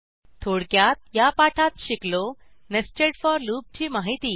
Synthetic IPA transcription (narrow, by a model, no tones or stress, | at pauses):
t̪ʰoɽkjat̪̚japaʈʰat̪ɕiklonəst͡ɕeɽfɔɾluːp̚t͡ɕiːmaɦit̪iː